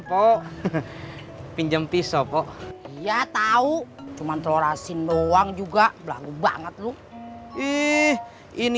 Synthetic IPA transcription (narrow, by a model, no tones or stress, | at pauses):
pɔʔ | piɲd͡ʒəmpisɔpɔʔijat̪aut͡ʃumant̪loɾasinːowaŋd͡ʒuɡaʔbla̰ɡuba̰ŋət̪̚lu | ih | in